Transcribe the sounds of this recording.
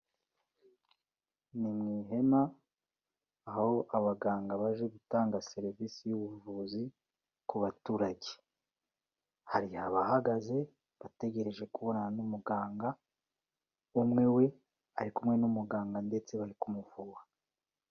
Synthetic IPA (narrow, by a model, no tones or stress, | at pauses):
nimŋiːɦe̞ma | ho̞ʔaβaɡaːŋɡaβaʒe̞ɡutaːŋɡase̞ɾivisijuβuvuzi | kuβatuːɾaɟe | haɾihaβahaɡaze̞ | βate̞ɟe̞ɾe̞ʒe̞kuβo̞nanumuɡaːŋɡa | umŋe̞we̞ | aɾikumŋe̞numuɡaːŋɡande̞t͡se̞βaɾikumuvuɡwa